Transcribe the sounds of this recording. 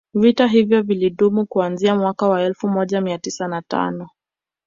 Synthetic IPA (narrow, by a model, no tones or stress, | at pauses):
vitaɦivjɔviliɗumukuanziamwakawaɛlfumɔʄamiatisanata̰nɔ